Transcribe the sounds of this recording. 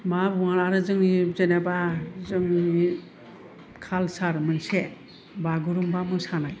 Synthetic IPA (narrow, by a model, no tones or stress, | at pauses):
mabuŋaɾaɾɯzɯŋnizenabazɯŋni | kʰalsaɾmɯnse | baɡɯɾumbamɯsanaj